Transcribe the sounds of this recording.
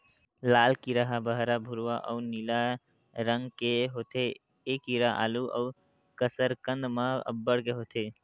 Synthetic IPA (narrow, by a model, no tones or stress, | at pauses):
laːlkiɾəɦabəɦɾabʱuɾʋaʔə̰unila | ɾəŋɡkeɦoːt̪e | ekiɾaʔa̰ːluə̰u | kəsəɾkə̃nd̪maə̰bːəɽkeɦoːt̪ʰe